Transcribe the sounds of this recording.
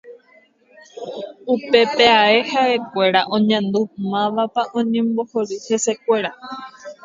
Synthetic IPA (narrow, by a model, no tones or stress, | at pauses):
upe̞peae̞hae̞kʷe̞ɾaʔõ̞ɲãnd̪umãʋapaʔõ̞ɲẽmbo̞hoɾɨhe̞se̞kʷe̞ɾa